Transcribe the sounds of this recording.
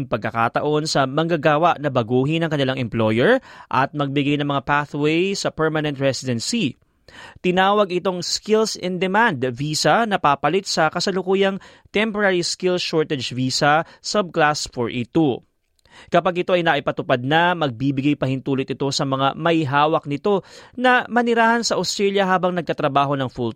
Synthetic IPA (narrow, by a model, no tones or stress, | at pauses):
ŋpɐɡ̚kːɐka̰ːt̪ɐʔo̞nsɐmɐŋɡaɡaːwɐʔnɐbɐɡuːɦɪnɐŋkɐnɪlaŋʔɛmplo̞jɛɹʔɐ̰t̪̚mɐɡ̚bɪɡajnɐŋmɐŋapaθwejsɐpɛɹmɐnɛnt̪ɹɛsɪd̪ɛnsi | t̪ɪnaːwɐɡʔɪt̪o̞ŋskɪlsɪnd̪ɛmand̪viːsɐnɐpapɐlɪt̪̚sɐkɐsɐlʊkuːjɐŋ | t̪ɛmpoɾaɹiskɪlʃoɹt̪ɛd͡ʒviːsɐsɐb̚klasfɔɹʔɪt̪o | kɐpaɡʔɪt̪o̞ʔɐjnaʔɪpɐt̪ʊpad̪̚nɐmɐɡ̚bibɪɡajpɐhɪnt̪uːlɪt̪̚ɪt̪o̞sɐmɐŋa̰mɐjɦaːwɐk̚nɪt̪o̞nɐmɐnɪɾaːhɐnsɐʔɐst̪ɾɛljɐɦaːbɐŋnɐɡ̚kɐt̪ɾɐbaːɦo̞nɐŋful